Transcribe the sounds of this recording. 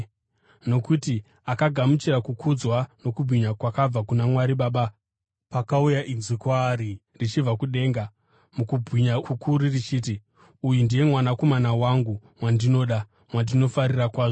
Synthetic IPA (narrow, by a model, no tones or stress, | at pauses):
no̞kuti | akaɡʱamut͡ʃiɾakukʰud͡zwano̞kubʱwiɲakwakab͡vakunamwaɾiɓaːɓa | pakaujaʔinzikwaːɾi | rit͡ʃivakuɗe̞ːŋɡa | mukubʱiɲakukʰuɾirit͡ʃiːti | ujundije̞mwanako̞manawaŋɡumwandino̞ːɗa | mwandino̞faɾirakwaːʐo